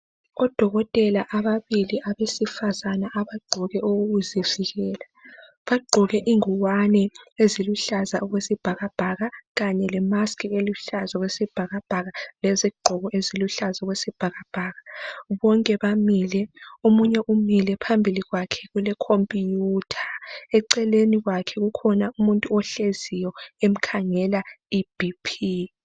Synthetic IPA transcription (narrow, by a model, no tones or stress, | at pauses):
ɔd̥ʱɔɣɔtʼɛlaʔaβaβiliʔaβesifazanaʔaβaɡ͡ǃʱuɣɛʔoɣuɣuziviɣɛːla | βaɡ͡ǃʱuɣɛʔiŋuwanɛeziluɬazaʔɔɣwesib̥ʱaɣab̥ʱaɣaɣaɲɛlɛmaskʰʼieluɬazaɣwesib̥ʱaɣab̥ʱaɣaleziɡ͡ǃʱɔɣɔʔeziluɬazaɔɣwesib̥ʱaɣab̥ʱaɣaβɔŋkʼɛβamilɛomuɲɛʔumilɛpʰambʱiliɣwakʰɛ̥ɣulɛkʰompʼijutʰḁɛǀɛleniɣwakʰɛɣukʰɔnaumuntʼuɔɬezijɔem̩kʰaŋɛlaib̥ʱipʰi